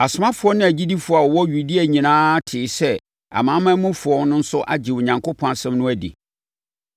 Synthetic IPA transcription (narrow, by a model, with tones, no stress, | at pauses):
a˨sʊ˨mã˦fʊ˨˦ɔ˦nɪ̃˦˨æ˨d͡ʑi˦di˦fʊ˨a˨ɔ˨wɔ˦ɥu˨di˦a˨ɲĩ˨nãː˦tʰɪ˨˦sɛ˦ | a̰˨mãː˨˦mã˦mũ˦fʊ˨ɔ˦nʊ̃˦n̩˦sʊ˦ʔa̰˨d͡ʑɪ˨wʊ˨ɲã˨ŋkʰo˦pʰɔ̃˦na˨sɛ̃˦mnʊ̃˦æ˦dḭ˨